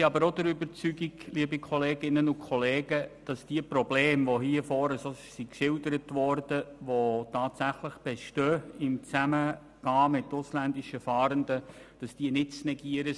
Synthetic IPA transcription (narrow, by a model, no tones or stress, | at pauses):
iɑbəɾodəɾʏbəɾt͡syɡiɡliəbikʰχɔleːɡɪnənʊkʰɔleːɡəd̥ɑsd̥iəprɔbleːmʋoɦiəfɔːɾəsosikʃɪldəɾətʋɔrdəʋotʰɑːtsæχləχb̥ɛʃtøːɪmt͡sæmə | ɡ̥ɑːmɪtːʊslændɪʃəfɑːɾəndəd̥ɑsd̥iənɪtt͡snɛɡiəɾə